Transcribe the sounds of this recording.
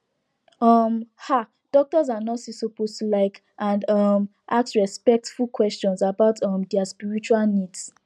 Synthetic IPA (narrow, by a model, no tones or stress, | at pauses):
ʌmha | d̥ɔk̚tɔzanɔtsisopostulaɪk | ãndʌm | ʔaksɹɛspɛk̚tfulkwɛst͡ʃɔ̃nsabaʊtʰʌmdɛaspiɹit͡ʃualnids